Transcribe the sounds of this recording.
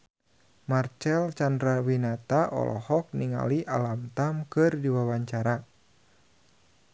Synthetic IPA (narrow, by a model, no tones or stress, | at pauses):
mart͡ʃɛlt͡ʃandɾawinat̪aʔɔ̰lʔɔ̰hɔk̚niŋa̰liʔalamt̪amkɨrdiwawaɲt͡ʃaɾa